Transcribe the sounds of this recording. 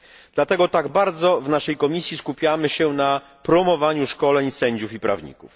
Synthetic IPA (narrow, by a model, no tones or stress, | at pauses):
d̪̥lat̪ɛɡɔt̪aɡbaɾd̪zɔvnaʂɛjkɔmʲisʲjiskupʲjamɘɕɛna | pɾɔmɔvaɲuʂkɔlɛɲsɛɲd͡ʑufipɾa̰vɲḭkṵf